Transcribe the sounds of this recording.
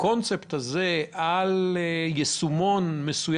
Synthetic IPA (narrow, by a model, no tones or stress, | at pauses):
ko̞nt͡sept̪aze̞aljesumo̞nmesuj